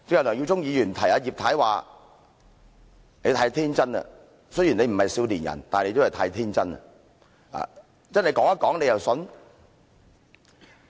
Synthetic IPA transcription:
t͡sɪ˨˥ŋjɐ˨˩nɔː˨˩ji˧wt͡sʊ˥ŋjiː˨˧jyː˨˩nt̪ʰɐ˨˩jaː˧ji˨p̚t̪ʰaː˨˥jwaː˨˩ | ne˨˧jt̪ʰaː˧˥jt̪ʰiː˥nt͡sɐ˥nɐ̰˧ | sɵ˥ji˨˩nle˨˧jm̩˨˩hɐ˨jsiː˨˥wliː˨˩njɐ̰˨˩nt̪aː˨ne˧t̪o˥˩hjt̪ʰaː˧jt̪ʰiː˥nt͡sɐ˥nɐ̰˧˨ | a̰ː˨ | t͡sɐ˥nhɐ˨jkɔː˨˥ŋɐ˥kɔː˨˥ŋle˨˧jɐ˨wsɵ˨˧n

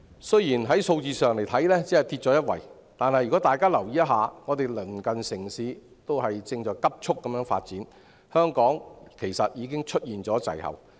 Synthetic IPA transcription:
sɵ˥ɥjiː˨˩nɦɐ˨˥jso˧wt͡siː˧sœː˨˩ŋle˨˩jt̪ʰɐ˨˥jlɛː˥t͡seː˨˥ɐ˨jt̪ʰiː˧t̚t͡ʃːɔː˨˥jɐ˥t̚wɐ̰˨˩j | t̪aː˨˧nhɐ˨jːy˨kɔː˨˥t̪aː˨jkaː˥lɐ˨˩wjiː˨˥jɐ˥t̚ɦaː˨˧ŋɔː˨˧t̪e˨jlɵ˨˩nkɐ˨nsɪ˨˩ŋsiː˨˧ | t̪o˥wɦɐ˨jt͡sɪ˧ŋt͡ʃɔː˨˧jkɐ˥p̚t͡ʃʰʊ˥kːɐ˨˦mjœː˧˥ŋfa̰ː˧t̚t͡siː˨˥n | hœː˥ŋkɔː˨˥ŋkʰe˨˩jsɐ˨t̚jiː˨˧kɪ˥ŋt͡ʃʰɵ˥t̚jiː˨nt͡sɔː˨˥t͡sɐ̰˨jhɐ̰˨w

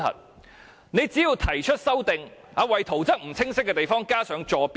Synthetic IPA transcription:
ɐ̰˨˩t̚ | ne˨˧jt͡siː˨˥jiː˧wt̪ʰɐ˨˩jt͡ʃʰɵ˥t̚sɐ˥wt̪ɪ˨ŋ | haː˨˧wɐ˨jt̪ʰo˨˩wt͡sɐ˥k̚m̩˨˩t͡sʰɪ˥ŋsɪ˥kːɛ˧t̪e˨jfɔː˥ŋkaː˥sœː˨˥ŋt͡ʃɔː˧pː

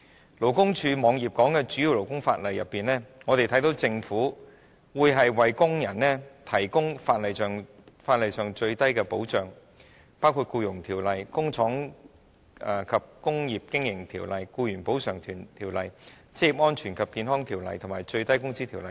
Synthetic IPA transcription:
lo˨˩wkʊ˥ŋt͡ʃʰyː˧mɔː˨˧ŋjiː˨˩p̚kɔː˨˥ŋkɛː˧t͡ʃyː˨˥ji˨˧wlo˨˩wkʊ˥ŋfa̰ː˧t̚lɐ˨jːɐ˨pːiː˨nlɛː˥ŋɔ˨˧t̪e˨jt̪ʰjt̪o˨˧˥wt͡sɪ˧ŋfuː˨˥ | wuː˨˧jɦɐ˨jwɐ˨jkʊ˥ŋjɐ˨˩nnɛː˥t̪ʰɐ˨˩jkʊ˥ŋfaː˧t̚lɐ˨jsœː˨ŋ | faː˧t̚lɐ˨jsœː˨ŋt͡ʃɵ˧ɥt̪ɐ˥jkɛː˧po˨˥wt͡ʃœː˨˩ŋ | paː˥wkʰuː˧t̚kuː˧jʊ˨˩ŋt̪ʰiː˨˩wlɐ˨jkʊ˥ŋt͡sʰɔː˨˥ŋ˨˧ | kʰɐ˨p̚kʊ˥ŋjiː˨p̚kɪ˥ŋjɪ˨˩ŋt̪ʰiː˨˩wlɐ˨jkuː˧jyː˨˩npo˨˥wsœː˨˩ŋt̪ʰyː˨˩nt̪ʰiː˨˩wlɐ˨j | t͡siː˥jiː˨˩p̚ŋɔː˥nt͡ʃʰyː˨˩nkʰɐ˨p̚kiː˧nɦɔː˥ŋt̪ʰiː˨˩wlɐ̰˨jt̪ʰmaː˨jt͡ʃɵ˧ɥt̪ɐ˥jkʊ˥ŋsiː˥t̪ʰiː˨˩wlɐ˨j

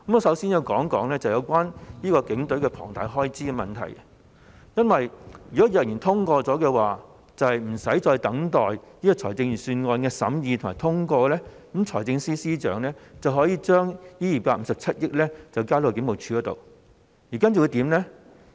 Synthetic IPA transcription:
mɔ˨˧˩sɐ˨˥wsiː˥njɐ˨˧wkɔː˨˥ŋkɔː˨˥ŋlɛː˥t͡sɐ˨wjɐ˨˧wkʷaː˥njiː˥kɔː˧kɪ˨˥ŋt̪ɵ˨˥ɥkɛː˧pʰɔ̰ː˨˩ŋt̪a̰ː˨˧jɦɔː˥jt͡siː˥kɛ˧mɐ˨˩nt̪ʰɐ̰˨˩j | jɐ˥nwɐ˨jjyː˨kɔ˨˦˥jɐ˨˩jiː˨˩nt̪ʰʊ˥ŋkɔː˧t͡sɔː˨˥kɛː˧waː˨˩ | t͡sɐ˨˧whɐ˨jm̩˨˩sɐ˨˥jt͡sɔː˧jt̪ɐ˨˥ŋt̪ɔː˨˩jniː˥kɔː˧t͡sʰɔː˨˩jt͡sɪ˧ŋjyː˨˩syː˧nŋɔː˧nkɛː˧sɐ˨˥mjiː˧t̪ʰʊ˨˩maː˨˩jt̪ʰʊ˥ŋkɔː˧lɛː˥k̩˨˥mt͡ʃʰɔː˨˩jt͡sɪ˧ŋsiː˥siː˥t͡ʃœ̰ː˨˥ŋlɛː˥t͡sɐ˨wɦɔː˨˥jiː˨˧t͡ʃœː˥ŋjiː˥jiː˨˩paː˧t̚m̩˧sɐ˨p̚t͡sʰɐ˥t̚jɪ˥k̚lɛː˥t͡sɐ˨wkaː˥lo˨˧kɪ˨˧˥ŋmo˨˩wt͡ʃʰyː˧ɡɔː˨˧˥t̪o̰˨˧w | jiː˨˩kaː˥nt͡sɐ˨˩wu˧t̪iː˨˥mnɛ˥

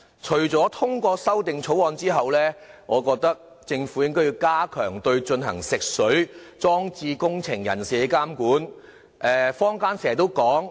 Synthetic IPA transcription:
t͡ʃʰɵ˨˩ɥt͡sɔː˨˥t̪ʰʊ˥ŋkʷɔː˧sɐ˥wt̪ɪ˨ŋt͡ʃʰo˨˥wɔː˧nt͡siː˥ɦɐ˨wlɛː˥ŋʔɔː˨˧kɔː˧k̚t̪ɐ˥k̚ | t͡sɪ˧ŋfuː˨˥jɪ˥ŋk̪ɔ˥ji˧wkaː˥kʰœː˨˩ŋt̪ɵ˧ɥt͡ʃɵ˧nɦɐ̰˨˩ŋsɪ˨k̚sɵ˨˥ɥt͡sɔː˥ŋt͡siː˧kʊ˥ŋt͡sʰɪ˨˩ŋjɐ̰˨˩nsiː˨˩e˨˧˥kaː˥mkuː˨˥n | ʔɛː˨fɔː˥ŋkaː˥nse˨˩ɛ˨˩t̪o˥wkɔː˨˥ŋ

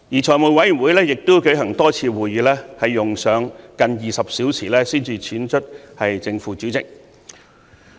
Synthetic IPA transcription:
jiː˨˩t͡ʃʰɔː˨˩jmu˨˩jwɐ˨˥jy˨˩wuː˨˥jlɛː˥jɪ˨k̚t̪ʊ˥kɵ˨˧˥ɥɦɐ˨˩ŋt̪ɔː˥t͡sʰiː˧wuː˨jyː˨˧lɛː˥hɐ˨jːʊ˨ŋsœː˨˧˥ŋkɐ˧njiː˨sɐ˨p̚siː˨˥wt͡sʰiː˨˩lɛː˥siː˥nt͡sʰiː˨˧t͡sʰiː˨˥nt͡ʃʰɵ˥t̚hɐ˨jt͡sɪ˧ŋfuː˨˧t͡syː˨˥wt͡sɪ̰˨k̚

